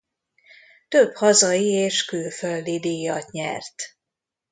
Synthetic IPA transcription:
t̪øphɒzɒjieːʃkyːføld̪id̪iːjɒt̪ɲɛ̰rt̪

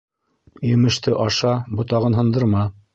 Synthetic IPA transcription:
jɘ̆mɘ̆ʃt̪ɘʔɑʃɑbŏt̪ɑʁɤnɦɤ̆nd̪ɤ̆ɾmɑ

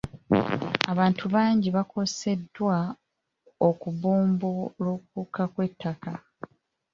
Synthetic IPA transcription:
aβaːntʰuβaːɲɟiβako̞se̞dwa | okuβuːmbulokukakwe̞tːaka

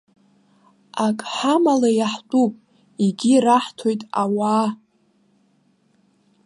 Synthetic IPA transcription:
akʼħamalajaħtʼupʼ | iɡʲiraħtʰo̞jtʼawaː

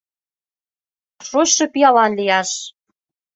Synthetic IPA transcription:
ʃoɕʃɤ̆pijɑlɑnlijɑʃ

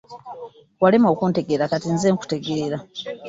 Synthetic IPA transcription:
walemo̞ːkuːnte̞ɡeɾakatinzeːŋku̥te̞ɡe̞ːɾa

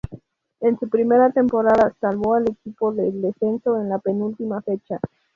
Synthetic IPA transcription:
ensupɾime̞ɾat̪e̞mpo̞ɾaðasalβo̞ale̞kipo̞ðeld̪e̞se̞nso̞enlape̞nult̪imafe̞t͡ʃa

